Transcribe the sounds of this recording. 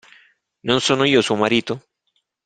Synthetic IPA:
nõnsonojosomaɾit̪o

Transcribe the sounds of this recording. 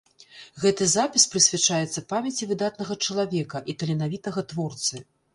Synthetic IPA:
ɣɛt̪ɨzapʲispɾɨsʲvʲɛt͡ʂajɛt̪sːɐpamʲɛt͡sʲivɨd̪at̪nɐɣɐt͡ʂɐlˠavʲɛkɐʔit̪ɐlʲɛnavʲit̪ɐɣɐt̪vɔrt̪sɨ

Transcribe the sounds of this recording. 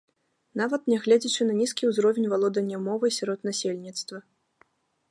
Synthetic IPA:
navɐt̪nʲɛɣlʲɛd͡zʲit͡ʂɨnɐnʲiskʲiwzɾɔvʲenʲvalˠɔd̪ɐnʲjɐmɔvɨsʲaɾɔt̪nasʲelʲnʲit̪st̪vɐ

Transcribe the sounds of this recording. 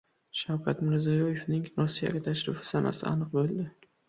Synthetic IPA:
ʃawkʲʰat̪mɪɾzijɒje̞fnɪŋɾɒsːija̰ɡʲat̪ʰaʃɾɪfɪ̥sanʔa̰sɪ̰a̰nɨq̚bolˠd̪ɪ

